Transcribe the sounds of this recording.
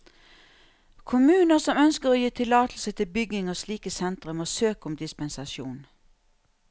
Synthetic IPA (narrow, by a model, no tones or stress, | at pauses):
kʰʊmʉːnəʁsɔmœnskəʁoːjiːt̪ʰɪlɑːt̪l̩sət̪ʰɪlbʏɡɪŋoːsliːkəsɛnt̪ʁʉmoːsøːkʊmd̪ɪspənsɑʃjṵːn